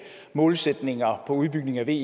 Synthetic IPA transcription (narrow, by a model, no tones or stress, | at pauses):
mɔ̽ːlsed̥ne̝ŋɐpʰɒ̽uð̞ˠb̥yɡ̥ne̝ŋæʋe̝̰